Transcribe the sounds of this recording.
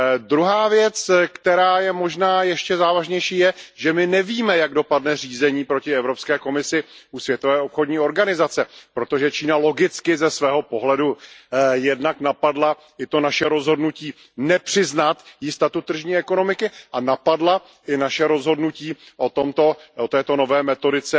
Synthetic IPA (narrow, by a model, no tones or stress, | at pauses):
d̪ɾuɦaːvjɛt͡skt̪ɛɾaːjɛmo̞ʒnaːjɛʃcɛzaːvaʒɲɛjʃiːjɛʒɛmɪnɛviːmɛjaɡdo̞padnɛr̝iːzɛɲiːpɾo̞cɪɛvɾo̞pskɛːko̞mɪsɪʔusvjɛt̪o̞vɛːʔopxo̞dɲiːo̞ɾɡanɪzat͡sɛpɾo̞t̪o̞ʒɛt͡ʃiːnalo̞ɡɪt͡skɪzɛsvɛːɦo̞po̞ɦlɛdujɛdnaknapadla | ʔɪt̪o̞naʃɛɾo̞zɦo̞dnuciː | nɛpr̝̥ɪznat̪jɪst̪at̪ut̪ːr̩ʒɲiːɛko̞no̞mɪkɪʔanapadla | ʔɪnaʃɛɾo̞zɦo̞dnuciːʔot̪omt̪o̞ot̪ɛːt̪o̞no̞vɛːmɛt̪o̞dɪt͡sɛ